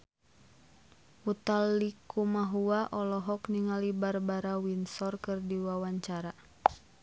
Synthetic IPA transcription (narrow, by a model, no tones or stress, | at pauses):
ut̪alːikumaɦuaʔɔlɔɦɔkniŋalibarbaɾawinsɔrkɨrdiwawaɲt͡ʃaɾa